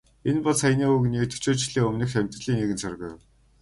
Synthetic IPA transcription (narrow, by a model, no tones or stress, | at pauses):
enpɔɮsæjniːuɣɘniːk̚t̪ʰɵ̥t͡ɕoːt͡ɕ̆ɮiːŋɵmnɘ̆xt̪æm̥ʲt̪rə̆ɮiːneɣɘ̆nt͡sʰœrʲɣɘ̰̆j̆w